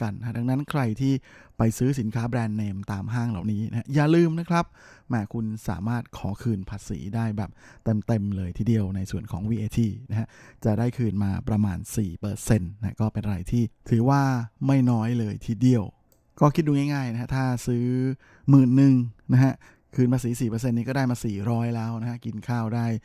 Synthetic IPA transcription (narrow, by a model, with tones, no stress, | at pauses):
ka˧n˦a˦˥da˧ŋna˦˥nkʰɾa˧jt̪ʰiː˥˩pa˧jsɯː˦˥si˨˩˦nkʰaː˦˥bɾɛː˧nːeː˧mt̪aː˧mɦaː˥˩ŋla̰ː˨˩wniː˦˥nʔa˦˥a˦˥jaː˨˩lɯː˧mna˦˥kʰɾa˦˥p̚ | mɛː˨˧˩kʰu˧nsa̰ː˩˦maː˥˩t̪̚kʰɔː˩˦kʰɯː˧npʰaː˧sḭː˩˦daː˥˩jbɛː˨˩p̚ | t̪e˧mt̪e˧mlɤː˧jt̪ʰiː˧˩di˧əwna˧jsu˨˩ənkʰɔː˩˦ŋwiː˧ʔeː˧t̪ʰiː˧˩na˦˥ha˦˥ʔt͡ɕa˨˩daː˥˩jkʰɯː˧nmaː˧pɾa˧ma̰ː˧nsiː˨˩pɤː˧se˧nːa˦˥kɔː˥˩pe˧nʔɾa˧jt̪ʰiː˥˩t̪ʰɯː˩˦waː˥˩ma˥˩jnɔː˦˥jlɤː˧jt̪ʰiː˥˩di˨˧əw | kɔː˥˩kʰi˦t̪̚duː˧ŋa˥˩jŋaː˥˩jna˦˥ha˦˥t̪ʰaː˥˩sɯː˦˥ | mɯː˨˩nːɯ˨ŋna˦˥ɦʰa˦˥ | kʰɯː˧npʰaː˧˥siː˩˦siː˨˩pɤː˧s̬e˧nːiː˦˥kɔ˥˩daː˥˩jmaː˧siː˨˩ɾɔː˦˥jlɛː˦˥wna˦˥ha˦˥ki˧nkʰaː˥˩wdaː˥˩j